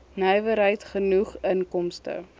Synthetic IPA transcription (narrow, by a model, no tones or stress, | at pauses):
nœɥvəɾɦəjtχənuχənkɔmstə̰